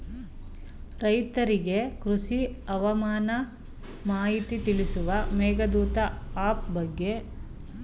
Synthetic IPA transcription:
ɾɐjt̪ɐɾiɡe̞kɾuʂiɐʋɐmaːnɐ | maːɦit̪it̪ilisuʋɐmɛːɡɐd̪uːt̪ɐaːp̚bɐɡːe̞

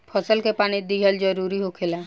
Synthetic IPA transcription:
pʰɔsɔlkepaɽ̃id̪iɦɔld͡ʒɔɾuɾiɦokʰela

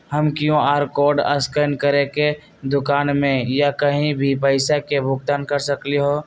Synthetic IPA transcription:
həmkjõaːɾkɔːɾɖə̰skənkəɾeke | d̪ʊkaːnmẽjakəɦĩbʱipəɪsakebʱʊɡ̚t̪ankəɾsəkliɦoː

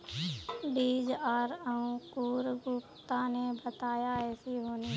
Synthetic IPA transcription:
ɖiːd͡ʒaːɾəũkuːɾɡʊpt̪anebət̪aːjaɛːsiɦoːne

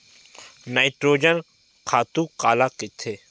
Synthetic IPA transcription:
naːɪʈɾoːd͡ʒən | kʰaːt̪ũːkaːlaːkɪt̪ʰːeː

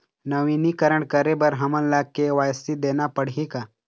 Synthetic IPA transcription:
nɐʋiːnikəɾəɳkəɾebəɾɦɐməllakːeʋaːjst̪id̪eːnapəɽ̤ika

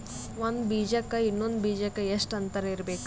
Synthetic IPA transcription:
ʋɐnd̪biːd͡ʒɐkːɐinːond̪biːd͡ʒɐkːɐeʂʈɐnt̪ɐɾɐiɾɐbeːk

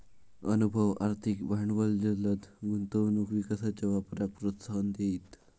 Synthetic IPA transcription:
ənubʱəʋa̰ɾt̪ʰikbʱaɳʋəld͡ʑələt̪ɡunt̪əʋnukʋikəsat͡ɕaʋapɾak̚pɾot̪sand̪eit̪

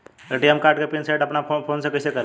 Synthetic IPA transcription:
eʈiəmkaɾʈkepinsajʈəpnaopʰonsekəɪsekəɾ

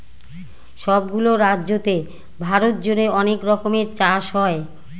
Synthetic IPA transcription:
ʃɔbɡuloɾadːʑot̪e | bʱaɾot̪̚d͡ʑoneɔnekɾɔkomeɾt͡ɕaʃɦɔe

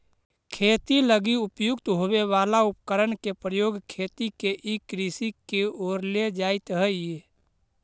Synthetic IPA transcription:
kʰeːt̪iləɡiʊpjʊkt̪ɦoweʋaːlaʊp̚kəɾənkepɾəjoːɡkʰeːt̪ikeʔikɾisikeoːɾled͡ʒaːɪt̪ɦəe

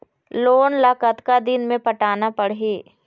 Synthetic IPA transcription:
loːnlaːkət̪kad̪ɪnmẽpɐʈaːnapɐɽɦeː

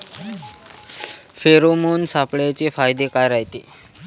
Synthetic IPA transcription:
feɾomunsapɭjat͡ɕefajd̪ekajɾaɦjt̪ḛː

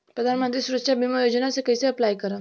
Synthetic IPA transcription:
pɾəd̪ʱanmə̃nt̪̬ɾiːsuɾəʂabiməjod͡ʑənasekəjseəplajkəɾa

